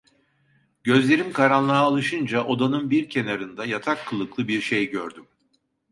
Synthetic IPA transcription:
ɟø̞zlʲe̞ɾimkʰaɾanlˠaːlˠɯʃɯnd͡ʒaʔo̞d̪anɯnbiɾcʰe̞naɾɯnd̪ajat̪ʰakʰːɯlˠɯklˠɯbiɾʃejɟøɾd̪ym

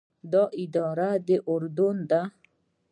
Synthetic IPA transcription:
d̪ɔʔid̪ɔːɾad̪eʔoɾd̪und̪a

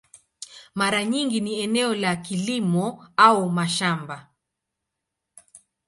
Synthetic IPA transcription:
maɾaɲiŋɡiniɛnɛɔlakilimɔaumaʃamba

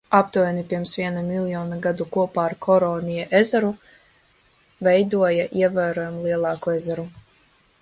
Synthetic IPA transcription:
apt̪ujɛnipiɾmsvʲiɛnamilˠjɔːnaɡad̪ukuɔpaːɾkʰɔɾɔːnijaʔezaɾu | vɛjd̪uɔjaʔiɛvaːɾɔːjɛmlˠiɛlˠɑːkuezaɾu

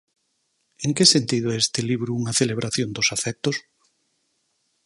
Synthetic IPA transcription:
eŋkesent̪iðoest̪eliβɾuuŋɐθeleβ̞ɾʔaθjond̪osafɛk̚t̪os

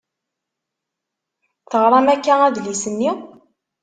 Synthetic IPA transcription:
θəʁɾˤɑmækːææðlisənːi

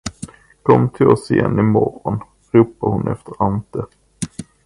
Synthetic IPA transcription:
kʰɔmːt̪ʰɪlɔsɪjɛnːɪmɔɾɔn | ɾuːpahʊnʔɛft̪ʰəɾant̪ə

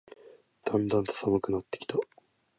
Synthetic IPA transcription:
d̪̥ãnd̪ãnt̪o̥sabɯkɯ̟nat̪ːekʲi̥t̪a

